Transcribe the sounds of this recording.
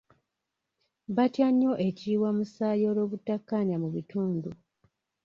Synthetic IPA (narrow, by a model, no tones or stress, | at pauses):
βatjaɲːo̞ʔe̞ciːwamusaːjo̞ːlo̞ːβutːakːaɲamuβituːndu